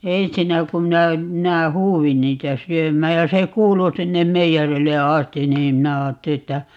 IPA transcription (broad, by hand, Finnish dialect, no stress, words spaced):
ensinːæ kum minæ minæ huːwin niːtæ syømˑæːj jɑ se kuːlu sinːem meijærilːe ɑstin̆ niːm minæ ɑːtːeli etːæ